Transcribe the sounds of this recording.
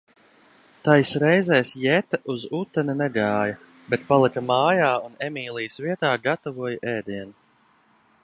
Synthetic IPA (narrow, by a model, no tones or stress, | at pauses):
t̪ajsɾɛjzɛjsjɛt̪aʔuzut̪ːɛninɛɡaːjɐ | bɛt̪̚palˠikɐmaːjaːunɛmʲiːlˠijsviɛt̪aːɡat̪ɔvuɔjʔɛːd̪iɛn